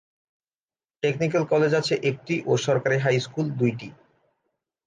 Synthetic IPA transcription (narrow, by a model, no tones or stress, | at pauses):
ʈeknik̬elkɔled͡ʑat͡ɕʰeʔek̚ʈiʔoʃɔɾkaɾeɦajskuld̪ujʈi